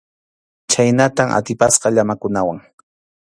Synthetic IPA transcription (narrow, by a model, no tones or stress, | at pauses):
t͡ʃajnat̪amʔa̰t̪ɪpasqɑʎamakʊnawaŋ